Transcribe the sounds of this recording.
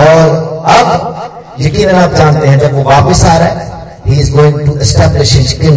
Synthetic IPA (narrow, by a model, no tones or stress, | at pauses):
ɔːɾɐb | jekĩnɐnaːp̚d͡ʒaːnt̪ẽɦɛ̃d͡ʒɐbʋoʋaːpɪsaːɾa | hiːzɡoːɪ̃ŋɡʈuɪsʈɛːblɪʃɪd͡ʒkɪn